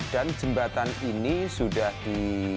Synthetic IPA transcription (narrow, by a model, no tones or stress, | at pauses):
d̥and͡ʒəmbat̪aninisudahd̥i